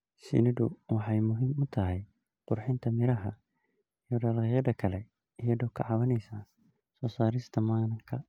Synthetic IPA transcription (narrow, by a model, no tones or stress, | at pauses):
sɪ̰nɪdʊwɑħɑjmʊɦiːmʊt̪ʰɐɦɛj | qʊrħɪnt̪ʰɐmɪɾɐɦɐ | ijɔɖaːlqɛjɐðɐkʰɐlɛ | ɪjɐðɔːkʰɑʕɑwɐnɛjsaː | sɔːsaːɾɪst̪ʰɐmaːnɐŋkʰɐ